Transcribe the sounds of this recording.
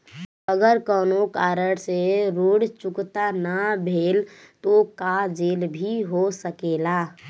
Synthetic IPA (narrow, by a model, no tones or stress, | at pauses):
əɡəɾkɔːnokaːɾəɽseɾoːɽt͡ʃʊkt̪anabʱeːl | t̪okad͡ʒeːlbʱiɦosəkeːlaː